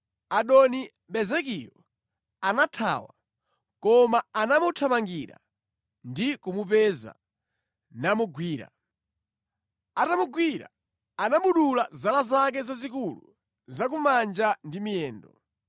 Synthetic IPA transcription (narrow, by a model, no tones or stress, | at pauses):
aɗɔni | ɓɛzɛkijɔ | anatʰa̰wa̰ | kɔmaanamutʰamaŋɡiɾa̰ | ndikumupɛza̰ | namuɡwiːɾa̰ | atamuɡwiɾa̰ | anaɓuɗulazalazak̬ɛzazikulṵ | zak̬umand͡ʒandimijɛːndɔ